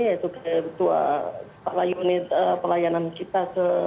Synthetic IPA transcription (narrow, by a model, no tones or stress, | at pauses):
at̪ukat̪ua̰pəlajunit̪əpəlajanankit̪asə